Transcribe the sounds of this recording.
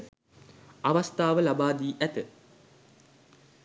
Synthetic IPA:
aʋast̪aːʋəlabaːd̪iːʔæt̪ə

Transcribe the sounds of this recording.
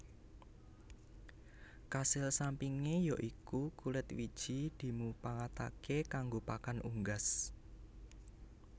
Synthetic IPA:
kasɪlsampiŋejɔʔikukulɪt̪wid̥ʒ̥i̤d̪̥i̤mupaŋat̪a̰kekaŋɡopakanuŋɡas

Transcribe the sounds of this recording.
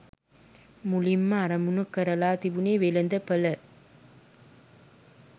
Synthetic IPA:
mʊlimːaːɾɐmunɐkːɐɾɐlaːt̪iʋuneːʋelɐnd̪ɐpːɐlɐ

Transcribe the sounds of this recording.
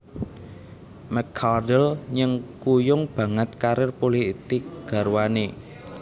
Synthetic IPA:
mɛkʰadəlɲəŋkujʊŋb̥a̤ŋət̪̚kaɾɪrpoliht̪ɪk̚ɡ̥ä̤ɾwane

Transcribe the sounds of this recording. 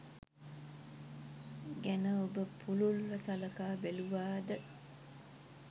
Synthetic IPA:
ɡænəobəpʰululʋəsaləkaːbeluʋaːd̪ə

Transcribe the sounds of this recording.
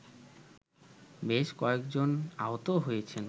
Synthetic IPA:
beʃkɔekd͡ʑona̰ɦot̪oɦojet͡ɕʰen

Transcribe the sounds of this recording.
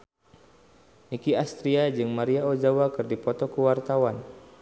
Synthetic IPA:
nikiast̪ɾiad͡ʒɨŋmaɾiaod͡ʒawakɨrdipɔt̪ɔkəwart̪awan

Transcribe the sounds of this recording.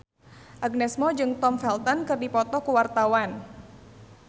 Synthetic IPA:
ʔaɡ̚nɛsmɔd͡ʒɨŋt̪ɔmfɛlt̪ɔnkɨrdipɔt̪ɔkuwart̪awan

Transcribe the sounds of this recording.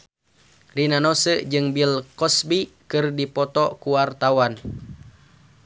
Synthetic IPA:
rinanɔsəd͡ʒɨŋbilkɔsbikɨrdipɔt̪ɔkuwart̪awan

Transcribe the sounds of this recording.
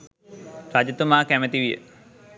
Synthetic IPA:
sad͡ʒət̪umaːkæmət̪iʋijə̰

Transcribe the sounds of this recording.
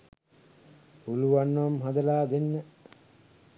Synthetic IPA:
puluʋanːʋamɦad̪ɐlaːd̪enːə

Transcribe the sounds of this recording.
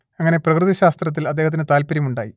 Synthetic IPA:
ɐŋːɐne̞prɐkrɨðɐɕaːst̪rɐt̪̬ːilɐd̪ːe̞ːɦɐt̪ːinet̪aːlpɐɾjɐmuɳɖa̰ːji

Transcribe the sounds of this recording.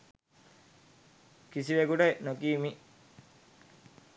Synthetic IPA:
kisiʋekuʈejnokiːmi

